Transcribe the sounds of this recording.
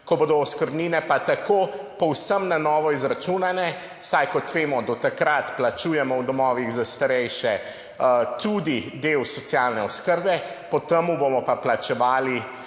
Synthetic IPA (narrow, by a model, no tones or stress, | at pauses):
kɔboːd̪ɔɔskəɾbniːnɛpat̪akopɔwsəmnanɔːʋɔizɾat͡ʃunanɛ | sajkɔt̪ʋeːmɔd̪ɔt̪akɾat̪plat͡ʃuːjɛmɔwd̪ɔmɔːʋiɣzast̪aɾɛjʃɛ | t̪ud̪id̪ewsɔt̪sjaːlnɛɔskəɾbɛ | pɔt̪əmubomɔpaplat͡ʃɛʋaːli